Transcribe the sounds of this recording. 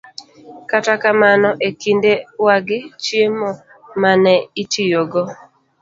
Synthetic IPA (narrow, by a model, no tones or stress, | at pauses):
katakamanɔʔekindewaɡɪt͡ʃjemɔ | manɛitijoɡɔ